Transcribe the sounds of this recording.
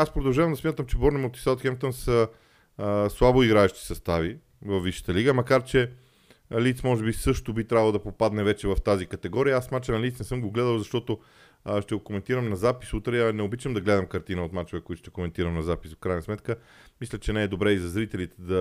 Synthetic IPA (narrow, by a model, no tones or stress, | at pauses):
aspɾod̪ɐlˠʒavɐmd̪ɐsmʲjat̪əmt͡ʃɛbɔɾnɛmot̪i̥sat̪xɛmt̪onsə | slˠaboiɡɾaɛʃt̪i̥sɐst̪avi | vɐfːiʃə̥t̪əliɡəmɐkaɾt͡ʃɛ | lit̪smɔʒɛbisɤʃt̪ʊbit̪ɾʲavəlˠd̪ɐpopad̪nɛvɛt͡ʃɛvɐft̪azikɐt̪ɛɡɔɾiəasmat͡ʃənɐlit̪nɛsɤmɡoɡlɛd̪əlˠzɐʃt̪ɔt̪o | ʃt̪ɛɡokomɛnt̪iɾəmnɐzapi̥sut̪ɾɛɐnɛobit͡ʃɐmd̪ɐɡlɛd̪əmkɐɾt̪inəot̪mat͡ʃovɛkoit̪ʊ̥ʃt̪ɛkomɛnt̪iɾəmnɐzapi̥sfkɾajnɐsmɛt̪kə | mislʲət͡ʃɛnɛːd̪obɾɛizɐzɾit̪ɛlit̪ɛd̪ɐ